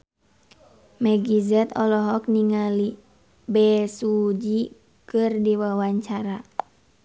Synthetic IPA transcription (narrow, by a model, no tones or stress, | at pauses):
mɛɡizɛt̪ɔlɔɦɔk̚niŋali | bɛsud͡ʒi | kɨrdiwawaɲt͡ʃaɾa